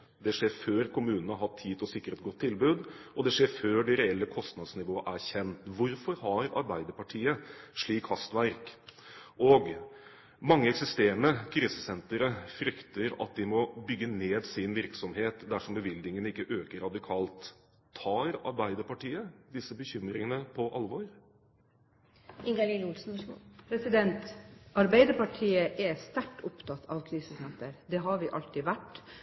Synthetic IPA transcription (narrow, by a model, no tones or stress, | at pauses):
d̪ɛʂeːɾføːɾkʰʊmʉːnənɑɦɑt̪ʰːiːt̪ʰɔsɪkːəɾəɛt̪ɡɔt̪ʰːɪlbʉːd̪ʔɔd̪ɛʂeːɾføːɖɛɾɛɛlːəkʰɔst̪nɑd̪snɪʋoːəʔæɾçɛnt̪ʋʊɾfɔɾhɑɾɑ̰ɾbæɪd̪əɾpɑʈʰiːəʂɭiːkhɑst̪ʋæɾk | ɔɡ | mɑŋːəɛksɪst̪eːɾəɳəkʰɾiːsəsɛnt̪əɾəfɾʏkt̪əɾɑ̰t̪̚d̪ɪmɔbʏɡːəneːd̪sɪnʋɪɾksɔmheːt̪d̪æʂɔmbəʋɪld̪nɪŋənɪkːəʔøːkəɾɑd̪ɪkʰɑːlt̪ʰː | ɑːɾɑ̰ɾbæɪd̪əɾpɑʈiːəd̪ɪsːəbəçʏmːɾɪŋənəpʰɔʔɑlʋɔɾ | ɪŋɡɑlilʊlsn̩pʰɾɛsɪd̪ɛnt̪ɑɾbæɪd̪əɾpɑʈʰiːəʔɛst̪æʈːʊpt̪ʰɑt̪ʰːɑ̰ʋkʰɾiːsəsɛnt̪əɾd̪ɛɦɑɾʋɪʔɑ̰lt̪ɪʋæʈː